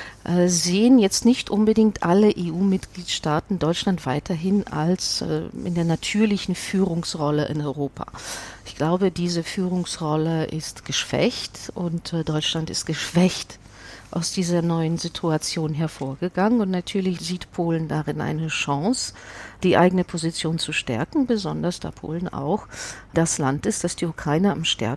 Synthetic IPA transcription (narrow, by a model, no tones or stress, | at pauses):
ʔɛːzeːənjɛt͡stnɪçtʔʊnbədɪŋktʔaləʔeːuːmɪtɡ̥liːtʃtaːtn̩dɔʏtt͡ʃlantv̥aɪtʰɐɦɪna̰lsɛ̰ːɪ̰ndeːɐnatʰyːɐlɪçn̩fyːʁʊŋsʁɔlə̰ʔɪ̰nɔʏʁoːpʰa̰ːɪçɡ̥laʊbədiːzəfyːʁʊŋsʁɔləʔɪstɡ̥əʃv̥ɛ̰çtʔʊntdɔʏt͡ʃlantɪ̰st̚ɡ̥əʃv̥ɛçt | ʔaʊsd̥iːzɐnɔʏənzitʰuat͡sjoːnɦɛɐfoːɐɡəɡaŋənʊntnatʰyːɐlɪçz̥iːtpʰoːləndaʁɪnʔa̰ɪnəʃɑ̃ŋsd̥iːʔa̰ɪɡənəpʰozit͡sjoːnt͡suʃtɛ̰ɐkŋ̩bəzɔndɐsd̥a̰ːpʰo̰ːlən̩a̰ʊxd̥aslantɪstd̥asd̥iːukʁ̥aɪnəamʃtɛ̰ɐ